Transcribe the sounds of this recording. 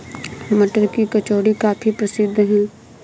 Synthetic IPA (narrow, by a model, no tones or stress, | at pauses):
mɐʈəɾkikɐt͡ʃoːɽikaːfʰipɾɐsɪd̪ʱːɦɛ̃ː